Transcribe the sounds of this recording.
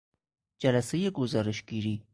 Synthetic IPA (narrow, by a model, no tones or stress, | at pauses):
d͡ʒalasejeɡʊzɑːɾɪʃɡiɾi